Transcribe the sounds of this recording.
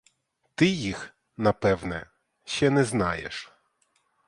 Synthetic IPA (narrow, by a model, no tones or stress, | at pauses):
t̪ɪjix | nɐpɛwnɛ̰ | ʃɛnɛznɑjḛʃ